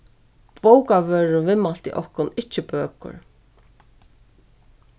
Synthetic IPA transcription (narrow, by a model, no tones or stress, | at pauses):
powkaʋœːɹʊvɪmal̥t̪ḭʔɔhkʊnɪt͡ʃːɪpøːkʊ̰ɹ